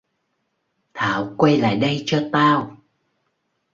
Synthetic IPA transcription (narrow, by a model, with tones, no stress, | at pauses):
t̪ʰaː˧˨˩wkwə˧jla̰ː˧˨jɗə˧jt͡ɕɔ˧t̪aː˧w